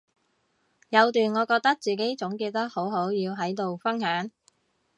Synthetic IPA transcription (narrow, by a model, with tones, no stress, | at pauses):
jɐ˨˧wt̪yː˨˩nŋɔː˨˧kɔː˧k̚t̪ɐ˥k̚t͡siː˨˩ke˨˥jt͡sʊ˨˥ŋkiː˧t̪ɐ˥k̚ho˨˥wɦo˨˥wjiː˧wɦɐ˨˥jt̪o˨wfɐ˥nhœː˨˥ŋ